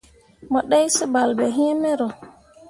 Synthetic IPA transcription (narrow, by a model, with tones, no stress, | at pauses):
mɔ˨ɗɛ˦jsi˦ba˨lbɛ˨ɦĩ˦mɛ˦ɾɔ˨